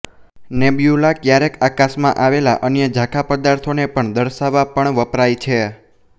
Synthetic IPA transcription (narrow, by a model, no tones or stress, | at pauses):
nebjulakjaɾekakasmã̰ʔaʋela̰ʔənjəd͡ʒʱãkʰapəd̪aɾt̪ʰonepəɳd̪əɾʃaʋapəɳʋəpɾajt͡ʃʰe